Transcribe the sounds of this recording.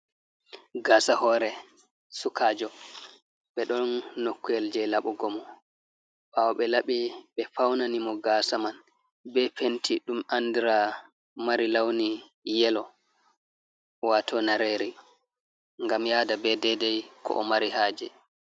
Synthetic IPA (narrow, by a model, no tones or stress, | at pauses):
ɡaːsahɔɾɛ | sukʰaːd͡ʒɔ | ɓɛɗɔnːokːuɛld͡ʒɛlaɓɔɡɔmɔ | ɓawɓɛlaɓiɓɛfawnanimɔɡaːsaman | bɛpentʰiɗumandiɾa | maɾilawni | jɛlɔ | watʰɔnaɾeːɾi | ŋɡamjaːdabɛdɛdɛjkʰɔ̰ʔɔmaɾihaːd͡ʒɛ